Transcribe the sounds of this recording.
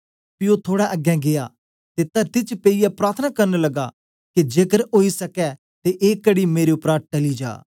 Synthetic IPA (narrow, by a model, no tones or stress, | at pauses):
pɪot̪ʰoːɽɛʔɐɡɛ̃ɡea | t̪et̪ɐɾt̪it͡ʃpeijɛpɾaːɾt̪ʰənakɐɾnlɐɡa̰ | kid͡ʒeːkəɾoːisɐkɛ | t̪eʔeːkəɽimeːɾeʊpɾaːʈɐlid͡ʒa̰ː